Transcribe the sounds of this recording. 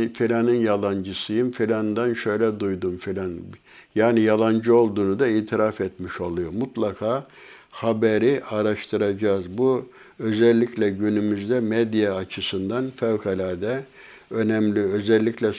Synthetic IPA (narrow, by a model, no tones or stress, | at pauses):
filʲanɯnjalˠand͡ʒɯsɯjɯmfilʲand̪anʃø̞jlʲɛd̪ujd̪umfilʲan | jaːnijalˠand͡ʒɯo̞lˠd̪uːnud̪aiːt̪ʰiɾafɛt̪miʃo̞lˠujo̞mut̪lˠakʰaː | habeɾiʔaɾaʃt̪ʰɯɾad͡ʒaːzbu | ø̞zɛlʲːiclʲɛɟynymyzd̪ɛmɛd̪jaːt͡ʃʰɯsɯnd̪anfævkʰalʲad̪ɛ | ø̞nɛmlʲiø̞zɛlʲːiclʲɛ